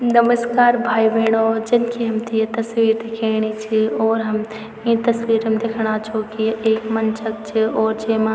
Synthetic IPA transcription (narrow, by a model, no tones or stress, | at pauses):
nɐməskaːɾbʱaːiʋeːɽ̃od͡ʒɪnkʰiɦɐmt̪ʰiet̪ɐsʋiːɾd̪ekʰeːɽ̃it͡ʃʰiɔːɾɦɐm | ĩt̪ɐsʋiːɾəmd̪ekʰɽ̃aːt͡ʃʰokieːkmɐnt͡ʃʰɐk̚t͡ʃʰiɔːɾd͡ʒeːmã